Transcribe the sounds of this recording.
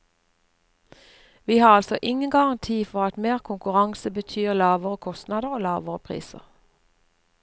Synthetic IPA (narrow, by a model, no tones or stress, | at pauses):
ʋiːhɑːʁɑlsɔʔɪŋənɡɑʁɑnt̪ʰiːfɔʁɑt̪meːʁkʰʊŋkʉʁɑŋsəbət̪ʰyːʁlɑːʋəʁəkʰɔst̪nɑːd̪əʁoːlɑːʋəʁəpʰʁḭːsə̰ʁ